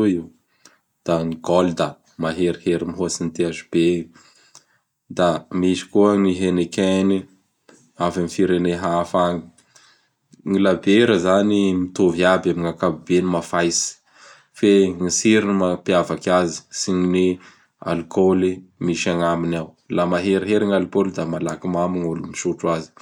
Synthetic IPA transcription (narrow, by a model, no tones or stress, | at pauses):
uiw | d̪̥aŋiɡold̪a | maɦeɾiheɾimiɦosinit̪iazub̥e | d̪amiʃi̥kuəŋiɦenekeni | avamifiɾeneɦafaŋi̥ | ŋilabeɾəzanimit̪oviabamiŋakabubenimafajsi̥ | feŋisiɾinimapiavakʲazi̥siɲini | a̰lkolimiʃaŋaminaw | lamaɦeɾiɦeɾiŋalkold̪amalakimamiŋulumiʃuʈ͡ʂwazi̥